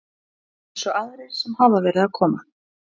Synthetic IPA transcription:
ɛsɔaðɾeɾ̥sɛmhavavɛːɾɪðaðkʰɔːma

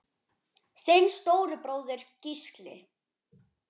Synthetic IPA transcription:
sθejnst̪oːwɾʏpɾoːwðʏɾ̥cisklɪ̰

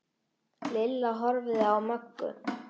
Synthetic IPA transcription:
lɪlːaɦɔɾvɪðawmœkːʏ̰

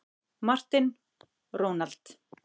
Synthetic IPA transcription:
mar̥t̪ɪn | roːwnalt̪

